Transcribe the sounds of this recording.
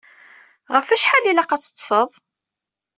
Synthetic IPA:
ʁəfæʃħalilæqɑt͡sːə̥t̪ˤːsəðˤ

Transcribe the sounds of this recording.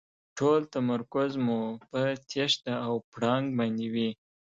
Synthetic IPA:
ʈʰolt̪amaɾkʊzmupət̪ʰeʃt̪aːwpɽɑŋɡ̚bɑnd̪ewi

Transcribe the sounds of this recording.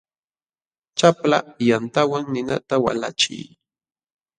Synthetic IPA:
t͡ʃaplajant̪awaŋnɪna̰t̪awa̰la̰t͡ʃɪ̰j

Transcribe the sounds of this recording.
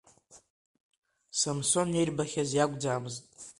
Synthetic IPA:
samso̞njejrbaχʲazjaɡʷʼd͡zaːmɨztʼ

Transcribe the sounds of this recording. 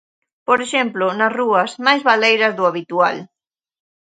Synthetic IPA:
poɾeʃemplʊnɐsruɐsmajzβalejɾɐzðuaβit̪ual

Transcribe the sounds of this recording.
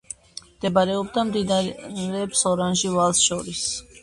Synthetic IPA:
md̪̥ɛbaɾɛɔbd̪amd̪inaɾɛpsɔɾanʒivalˠsʃɔɾis

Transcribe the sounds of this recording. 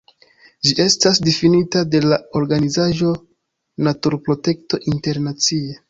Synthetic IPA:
d͡ʒiʔe̞stasdefinitade̞lao̞ɾɡanizaʒo̞ | natuɾpɾo̞te̞kto̞ʔinte̞ɾnat͡sie

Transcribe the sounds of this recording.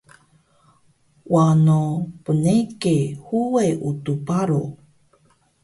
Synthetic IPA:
wanopənekehuweʔutupaɾo

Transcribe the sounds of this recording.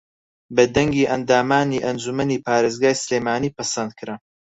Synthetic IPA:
bɐd̪ɐŋɡiːʔɐnd̪aːmaːniːʔɐnd͡ʒumɐniːpaːɾeːzɡaːjsɨleːmaːniːpɐsɐnd̪̚kʰɨɾɐ

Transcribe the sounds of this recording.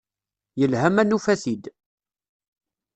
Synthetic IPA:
jəlhæmænufæθid̪

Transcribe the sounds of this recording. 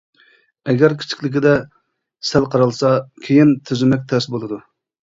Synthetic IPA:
ɛɡʲɛɾkʲʰi̥t͡ʃʰi̥kʲlɪk̬ʲid̪ɛ | sælˠqʰɑɾɑlˠsɑkʲʰejint̪ʰyzɪmɛk̚ʲt̪ʰɛsbolˠɨd̪u

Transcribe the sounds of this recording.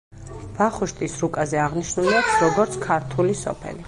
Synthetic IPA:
vaχuʃt̪ʼisɾukʼazɛaʁniʃnuliaksɾɔɡɔɾt̪sʰkʰaɾt̪ʰulisɔ̰pʰɛ̰li

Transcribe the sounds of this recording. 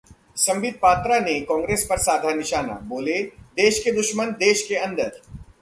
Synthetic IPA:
sɐ̃mʋɪd̪̚ʱpaːt̪ɾanekɔ̃ːŋɡɾeːspɐɾsaːd̪ʱanɪʃaːna̰boːled̪eːʃked̪ʊʃmənd̪eːʃkeɐ̃nd̪əɾ

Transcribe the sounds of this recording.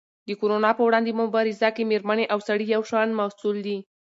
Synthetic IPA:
d̪əkoɾonɑpəwɽɑnd̪emʊbɑɾɪzakemeɾməneʔawsaɽijawʃɑnmasuld̪i

